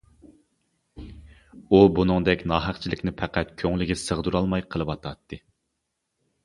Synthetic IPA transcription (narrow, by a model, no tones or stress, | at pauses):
ubunɨŋd̪ɛkʲnɑːɦæqt͡ʃʰilɪkʲnɪpʰæqæt̪kʲʰøŋlɪɡʲɛsəʁd̪uɾɑlˠmɑjqʰəlˠɨwɑt̪ʰɑt̪ʰːɨ